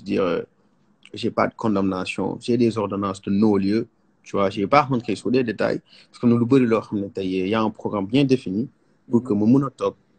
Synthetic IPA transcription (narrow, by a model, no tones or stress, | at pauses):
sdḭːʁə̰ | ʒɛpa̰dəkʰɔ̃ndamnasjɔ̰̃ʒɛdɛːzɔʁdɔnɑ̃ːsdənɔːljə | tuwaʒɛːpaʁkɔ̃ntkɐjsudɛdeta̰j | pḁskənulubəɾilɔxɐmnɛtɐjɛjaɛ̃pχɔɡʁambjɛ̃ːdefini | pukəməmunɔtɔk̚